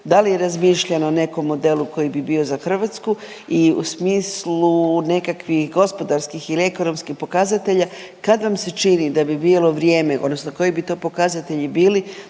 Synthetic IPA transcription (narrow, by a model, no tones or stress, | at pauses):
d̪alije̞ɾazmiːʃʎanoːne̞ko̞mːo̞d̪e̞lˠuko̞jibibio̞zaxr̩ʋat̪sku | iṵsmiːslune̞kakʋixɡo̞spo̞d̪aɾskixilie̞kono̞mskixpo̞kazat̪e̞ʎa | kad̪ʋamse̞t͡ʃinid̪abibilˠo̞ʋɾje̞ːme̞ʔod̪nosnoko̞jebit̪o̞ːpo̞kazat̪e̞ʎibiːli